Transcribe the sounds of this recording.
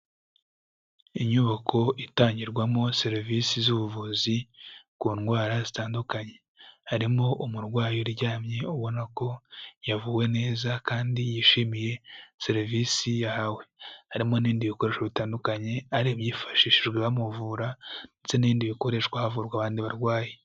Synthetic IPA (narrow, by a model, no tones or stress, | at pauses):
iɲuβakʰo̞itaːɲɟiɾɡwamo̞se̞ɾivisizuβuvuzikuːnɡwaːɾazitaːndukaɲe̞ | haɾimo̞ʔumuɾɡwaːjoɾɟaːmɲe̞uβo̞nako̞javuːwe̞ne̞ːzakaːndijiːʃimije̞se̞ɾiviːsijahawe̞haɾimo̞niːndiβiko̞ɾe̞ːʃoβitaːndukaɲe̞aɾiβjiːfḁʃiːʃiʒɡweβamuvuːɾandet͡se̞niːndiβiko̞ɾe̞ʃkwahavuːɾɡwaβaːndiβaɾɡwaːje